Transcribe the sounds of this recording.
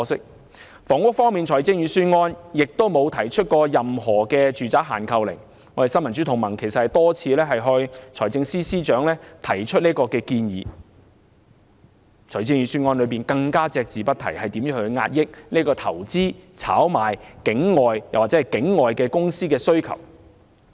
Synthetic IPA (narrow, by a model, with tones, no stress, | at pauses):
sɪ˥k̚ | fɔː˨˩ŋʊ˥k̚fɔː˥ŋmiː˨nt͡ʃʰɔː˨˩jt͡sɪ˥ŋjyː˨˥syː˥nŋɔː˥njɪ˨k̚t̪o˥wmo˨˧wt̪ʰɐ˨˩jt͡ʃʰɵ˥t̚kɔː˧jɐ˨mɦɔː˨˩kɛː˧t͡ʃyː˨t͡saː˨˥k̚ɦa̰ː˨˩nkʰɐ˧wlɪ˨˩ŋ | ŋɔː˨˧˥de˨jsɐ˥nmɐ˨˩nt͡sy˨˥t̪ʰʊ˨˩ŋmɐ˨˩ŋkʰe˨˩jsɐ˨thɐ˨jt̪ɔː˥t͡sʰiː˨˧lɛː˥ɦɐ˨jɦɵ˧t͡ʃʰɔː˨˩jt͡sɪ˧ŋsiː˥siː˥t͡ʃœː˨˥ŋlɛː˥t̪ʰɐ˨˩jt͡ʃʰɵ˥t̚niː˥kɔː˧kɛː˧kiː˧njiː˨˧ | t͡ʃʰɔː˨˩jt͡sɪ˥ŋjyː˨˧syː˥nŋɔː˥nlɵ˨˧piː˨nkɐ˧ŋkaː˥t͡sɛː˧k̚t͡siː˨˧pɐ˥t̚t̪ʰɐ˨˩jhɐ˨jt̪i˨˥mjyː˨˥hɵ˧ɥŋa̰ː˧t̚jɪ˥k̚niː˥kɔː˧t̪ʰɐ˨˩wt͡siː˥t͡sʰa̰ː˨˥wmaː˨˩jkɪ˨˥ŋːɔː˨jjɐ˨wa˨t͡sɛː˨˥ɐ˨jkɪ˨˥ŋːɔː˨jkɛː˧kʊ˥ŋsiː˥kɛː˧sɵ˥ɥkʰɐ̰˨˩w